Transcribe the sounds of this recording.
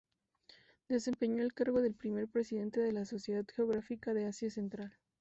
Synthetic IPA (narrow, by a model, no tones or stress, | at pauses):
d̪̥e̞se̞mpe̞ɲo̞elkaɾɣo̞ðe̞lpɾime̞ɾpɾesiðe̞nt̪e̞ðe̞laso̞sjeðaðxeo̞ɣɾafikaðe̞asjase̞nt̪ɾal